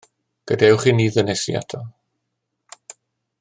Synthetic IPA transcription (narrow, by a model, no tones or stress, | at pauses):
ɡ̥ədɛwχiniːðənɛsḭa̰tʰɔ